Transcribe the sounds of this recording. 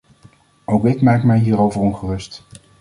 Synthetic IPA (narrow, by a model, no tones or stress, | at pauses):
owkɪkmaːkmɛjɦiːɾowvəɹɔnχərɵst